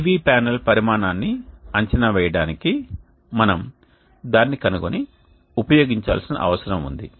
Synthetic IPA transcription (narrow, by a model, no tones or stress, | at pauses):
ʋiːpaːnɐlpɐɾimaːnaːnːiɐɲt͡ʃɐnɐʋɛːjɐɽaːniki | mɐnɐm | d̪aːnːikɐnuɡoni | upɐjoːɡiɲt͡ʃa̰ːlsinɐ̰ʔɐ̰ʋɐsɐɾɐmṵnd̪ḭ